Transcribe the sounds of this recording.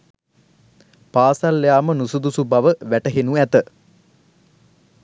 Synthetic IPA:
paːsalːjaːmənusud̪usubaʋəʋæʈəɦenuæt̪ə

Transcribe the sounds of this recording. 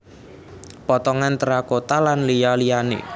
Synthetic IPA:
pɔt̪ɔŋant̪əɾakot̪alanlijalijanḛ

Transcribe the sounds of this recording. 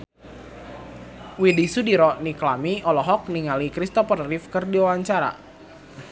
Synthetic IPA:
widisudiɾɔʔniklamiɔlɔɦɔk̚niŋalikɾist̪ɔpərrifkərdiwawaɲt͡ʃaɾa̰

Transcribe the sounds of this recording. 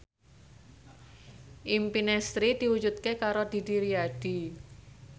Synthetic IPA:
ʔimpinɛst̪ɾid̪̥i̤wu̥d͡ʒut̪̚kekaɾod̪̥i̤d̪i̤ɾiaɖ̥i

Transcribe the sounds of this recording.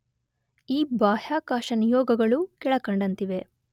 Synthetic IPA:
iːbaːhjaːkaːʃɐnijɔːɡɐɡɐɭukɛɭɐkɐɳɖɐnt̪iʋe̞

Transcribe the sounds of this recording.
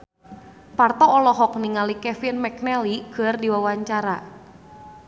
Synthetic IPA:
part̪ɔːlɔɦɔk̚niŋalikɛfinmɛk̚nɛliɡ̥ərdiwawaɲt͡ʃaɾa̰

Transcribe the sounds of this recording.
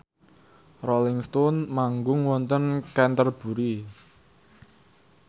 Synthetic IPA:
rɔlɪŋst̪ɔnmaŋɡʊŋwɔnt̪ənkɛnt̪ərb̥ṳɾi

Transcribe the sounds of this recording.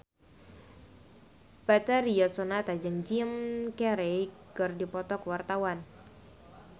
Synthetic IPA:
bat̪aɾiasonat̪ad͡ʒəŋd͡ʒimkɛɾɛkɨrdipɔt̪ɔkəwart̪awan

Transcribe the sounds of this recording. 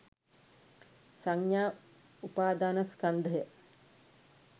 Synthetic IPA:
saŋjaː | upaːd̪aːnaskand̪əjə

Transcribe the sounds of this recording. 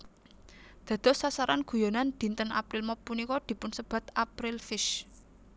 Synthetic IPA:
d̪̥ä̤d̪̥ɔ̤sasaɾanɡ̥ṳjɔnand̪̥i̤nt̪əna̰pɾɪlmɔpːunikɔd̪̥i̤pʊnsəb̥ä̤t̪apɾɪlfɪʃ

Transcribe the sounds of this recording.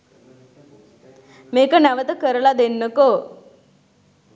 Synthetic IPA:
meːkənæʋət̪əkəɾəlad̪enːəko

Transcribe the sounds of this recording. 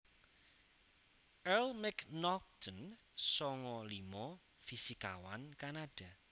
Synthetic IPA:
ʔɛlmɛknɔk̚t̪ʰən | sɔŋɔlimɔ | fisikawankanaɖ̥a̤

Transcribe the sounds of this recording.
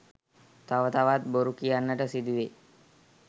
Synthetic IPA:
t̪aʋət̪aʋat̪̚boɾukijanːəʈəsid̪uʋe

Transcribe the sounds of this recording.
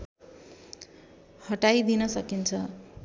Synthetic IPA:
hʌʈajd̪inʌsʌkint͡sʰʌ

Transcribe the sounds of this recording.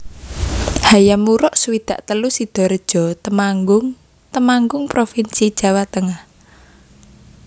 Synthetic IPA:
hajamuɾɔʔsuwid̪̥ä̤ʔt̪əlusid̪̥ɔ̤ɾəd̥ʒ̥ɔ̤t̪əmaŋɡʊŋ | t̪əmaŋɡʊŋpɾofinsid̥ʒ̥a̤wat̪əŋah

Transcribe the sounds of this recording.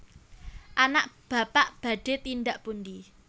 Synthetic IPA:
ʔanaʔb̥a̤paʔb̥ä̤ɖ̥e̤t̪indaʔpund̪i

